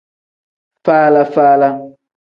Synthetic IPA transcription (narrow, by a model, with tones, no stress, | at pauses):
faː˦la˦faː˦la˦